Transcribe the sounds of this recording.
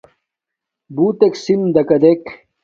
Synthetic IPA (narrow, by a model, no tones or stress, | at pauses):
buːt̪eksimd̪ɐkɐd̪ek